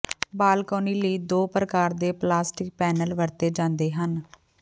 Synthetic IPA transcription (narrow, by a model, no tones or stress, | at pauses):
baːlkoːniːləiːd̪oːpɾəkaːɾd̪eːplaːsʈɪk̚pɛːnəlʋəɾt̪eːd͡ʒãːnd̪eːɦən